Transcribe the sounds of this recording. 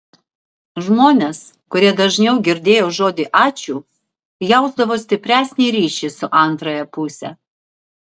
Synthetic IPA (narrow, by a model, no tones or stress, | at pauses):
ʒmoːnʲes | kʊɾʲiɛd̪ɐʒʲnʲɛʊɡʲɪɾʲd̪ʲeːjoːʒoːd̪ʲiʔɑːt͡ʃʲuː | jɛʊzd̪ɐʋoːsʲt̪ʲɪpʲɾʲæːsʲnʲɛɪɾʲiːʃʲɪsʊʔɐnˑt̪ɾɐjɛpʊsʲɛ